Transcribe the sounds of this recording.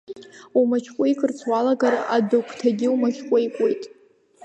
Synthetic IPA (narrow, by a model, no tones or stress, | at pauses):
umat͡ʃʰkʷʼojkʰʼɨrt͡sʰwalaɡara̰dokʷʰʼtʰaɡʲɪumaʃʲkʷʼojkʷʼojtʼ